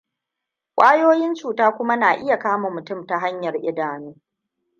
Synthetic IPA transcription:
kʷʼaː˦joː˦jɪ˦nt͡ʃuː˨taː˦kʷʊ˦ma˦naː˨ʔɪ˦ja˨kaː˦mo˨mʊ˨tʊ˦˨mta˨ɦa˦ɲjɐ˨rʔɪ˦daː˨nuː˦

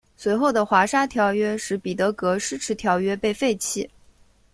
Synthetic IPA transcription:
swe˧˥ɪxo˥˩ʊd̪ə˩xwa˧˥ʂa˥t̪ʰjɑ˧˥ʊɥɛ˥ʂɻ̩˧˥pi˨˩t̪ɤ˧˥kɤ˧˥ʂɻ̩˥ʈ͡ʂʰɻ̩˧˥t̪ʰjɑ˧˥ʊɥɛ˥pe˥˧ɪfe˥˩ɪt͡ɕʰi˥˩

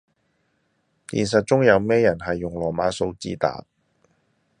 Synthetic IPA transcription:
t̪ḭː˨˩ns̬ɐ˨t̚t͡sʊ˥ŋjɐ˧wmɛː˥jɐ˨˩nɦɐ˨jːʊ˨˩ŋlɔː˨˩maː˨˧˥so˧wt͡sḭː˥t̪a̰ː˨

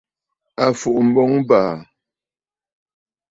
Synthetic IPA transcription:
a˨fu˨ʔm̩˨bɔ˦ŋbaː˨

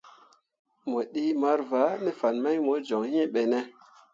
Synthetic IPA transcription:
mo˨ɗi˦ma˦ɾva˨˦ne˦fa˨nma˦jmo˨˦d͡ʒo˨ŋhĩ˦ɓe˨ne˦

